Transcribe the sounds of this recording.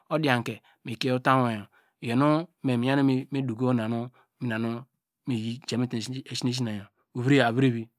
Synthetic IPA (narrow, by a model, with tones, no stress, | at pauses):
o˦di˦a˨ŋ˨ke˨ | mi˨ke˦u˦ta˦o˨ja˨ | je˨nu˦me˨mi˨ja˦nu˦me˦du˨ɡo˦o˦na˨nu˦ | mi˨na˨nu˦ | mi˨ji˦d͡ʒe˨mi˦te˨ʃi˦ne˦ʃ̬i˦na˨ja˨ | u˨βi˦ɾe˦˨a˨βi˦ɾe˦βi˦